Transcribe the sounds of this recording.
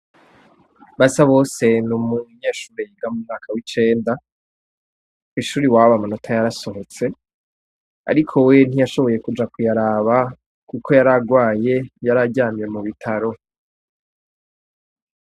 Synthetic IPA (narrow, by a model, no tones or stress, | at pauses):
βasaβo̞ːse̞numuɲe̞ːʃuːɾe̞jiɡamumŋaːkʰawit͡ʃe̞ːnda | kiʃuːɾiwaːβamonotʰajaɾaso̞ɦo̞t͡se̞ | a̰ɾikʰo̞we̞n̥ijaʃo̞βo̞je̞kud͡ʒakujaɾaːβa | kukʰo̞jaɾaɡwaːje̞jaɾaɟaːmje̞muβitʰaɾo̞